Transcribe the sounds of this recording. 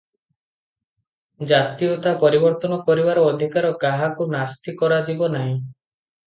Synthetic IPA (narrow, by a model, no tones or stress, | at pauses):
d͡ʒat̪iɔt̪apɔɾibɔɾt̪ɔnɔkɔɾibaɾɔːd̪ʱikaɾɔɡaɦakunast̪ʰikɔɾad͡ʒibɔnaɦĩ